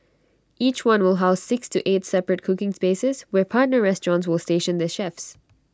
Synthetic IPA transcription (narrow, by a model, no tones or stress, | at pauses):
ʔiːt͡ʃwʌ̃nwɪlˠɦaʊsːɪkstʰuʔeːtsɛpɹət̚kʰʊkɪ̃ŋspeːsɪzwɛpʰaɹt̚ⁿnə˞ɹɛstɹɔ̃nts̬wɪlˠsteːʃə̃ndəʃɛfs